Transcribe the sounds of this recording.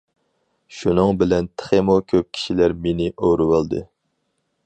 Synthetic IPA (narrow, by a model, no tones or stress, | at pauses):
ʃunɨŋbɪlɛnt̪ʰχemokʲʰøp̚kʲʰi̥ʃilæɾmenɪʔowɾɨwɑlˠd̪ɨ̰